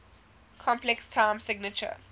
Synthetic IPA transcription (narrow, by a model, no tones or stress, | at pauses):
kʰɔ̃mplɛkstʰãːmsɪɡnət͡ʃə̰